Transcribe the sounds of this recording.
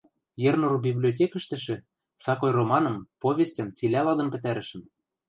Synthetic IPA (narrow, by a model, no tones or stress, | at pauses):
jĕrnurbʲiblʲiot̬ʲekɘ̆ʃt̪ɘ̆ʃɘ̆ | sɑkojromɑnɤ̆mpoβʲestʲə̆mt͡silʲælɑd̪ɤ̆mpɘ̆t̪æɾɘ̆ʃɘ̆m